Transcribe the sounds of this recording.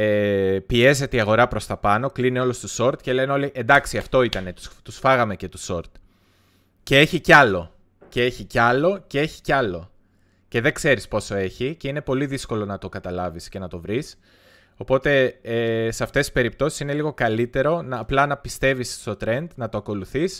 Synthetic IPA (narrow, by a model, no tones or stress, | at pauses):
epie̞ze̞t̪eiɐɣo̞ɾɐpɾo̞st̪ɐpɐno̞klinio̞lost̪oso̞ɾt̪ce̞le̞neo̞liʔe̞nd̪ɐksiɐft̪o̞it̪ɐne̞t̪u̥t̪usfɐɣɐme̞ce̞t̪u̥so̞ɾt̪ | cee̞çicɐlo̞ | cee̞çicɐlo̞ce̞e̞çi̥cɐlo̞ | ce̞ðe̞ɡse̞ɾispo̞so̞e̞çiceine̞po̞liðisko̞lo̞nɐt̪o̞kɐt̪ɐlɐvisce̞nɐt̪o̞vɾis | o̞po̞t̪e̞eseɐft̪esi̥spe̞ɾip̚t̪o̞si̥sine̞liɣo̞kɐlit̪e̞ɾo̞nɐplɐnɐpist̪e̞vist̪o̞t̪ɾe̞nd̪nɐt̪o̞ɐko̞luθis